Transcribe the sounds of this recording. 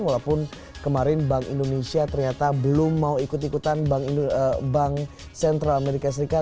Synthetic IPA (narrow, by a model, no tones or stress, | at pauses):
walapʊn | kəmaɾɪnbaŋḭndonesiat̪ərɲat̪abəlʊmːauikʊt̪ikut̪anbaŋibaŋ | sɛnt̪ɾalameɾikas̬əɾika